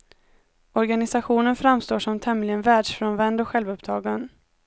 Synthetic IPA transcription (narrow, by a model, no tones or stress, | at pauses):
ɔɾɡanɪsaɧuːnənfɾamst̪oːʂɔmt̪ʰɛmlɪənvæːɖʂfɾɔnvɛnd̪ɔɧɛlvɵpt̪ʰɑːɡan